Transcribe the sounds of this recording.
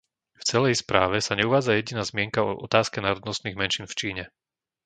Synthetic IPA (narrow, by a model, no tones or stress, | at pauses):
ft͡sɛlɛjspɾaːʋɛsaɲɛuʋaːd͡zajɛɟinaːzmɪɛŋkaɔ̰ʔɔ̰t̪aːskɛnaːɾɔd̪nɔst̪niːɣmɛnʃiːnft͡ʃiːɲɛ